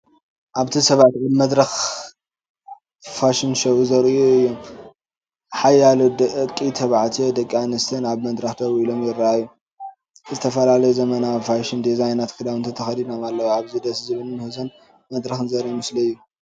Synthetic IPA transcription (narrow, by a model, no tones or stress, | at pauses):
ʔaβt̪ʰisɐβat̪anmɐd̪ɾɐx | faʃinʃɐwuzɐɾiuɨjːom | ħajːalod̪ɐʔɨkʼːit̪ʰɐβaʕt̪ʰed̪ɐkʼːanɨst̪ʰɨnaβmɐd̪ɾɐxt̪ʰɐβilomjɪɾːaajːu | zɨt̪ʰɐfɐlalɐjuzɐmɐnafaʃind̪izajnat̪kʰɨd̪awɨnt̪ʰɐt̪ʰɐxɐd̪inomalːɐwoaβzid̪ɐszɨβɨlɨnɨhuzɐn | mɐd̪ɾɐxɨnzɐɾimɨsliɨjːu